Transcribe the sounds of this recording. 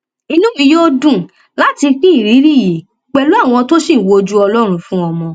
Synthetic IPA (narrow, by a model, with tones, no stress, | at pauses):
i˧nũ˦mĩ˧jo˦dũ˦˨ | la˨˦ti˧k͡pĩ˦˨ɾi˨˦ɾi˦˨je˨ | k͡pɛ˨lu˦a˦˨w̃ɔ̃˧to˦sĩ˦˨wo˨˧˦d͡ʒu˦ɔ˧lɔ˦ɾ̃ũ˧fũ˦ɔ˧mɔ̃˧